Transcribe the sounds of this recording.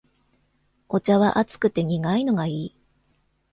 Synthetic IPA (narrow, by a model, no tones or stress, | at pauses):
o̞t͡ɕaβaʔat͡sɨ̥kɯ̟t̪e̞ɲ̟iɡaino̞ɡaiː